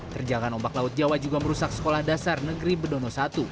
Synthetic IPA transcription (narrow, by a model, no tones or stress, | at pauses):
t̪ərd͡ʒaɡanɔmbaklaʊt̪̚d͡ʒawad͡ʒuɡaməɾusak̚sə̥kolahdasarnəɡɾibədonosat̪u